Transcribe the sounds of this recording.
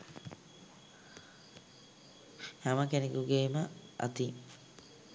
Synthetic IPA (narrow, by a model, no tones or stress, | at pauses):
haməkenekuɡeːməa̰t̪i